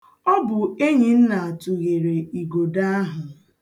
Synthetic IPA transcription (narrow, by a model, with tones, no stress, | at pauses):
ɔ˦bʊ˨e˦ɲi˨n̩˦na˨a˨tu˨ɣe˨ɾe˨i˨ɡo˨da˦a˦ɦʊ˨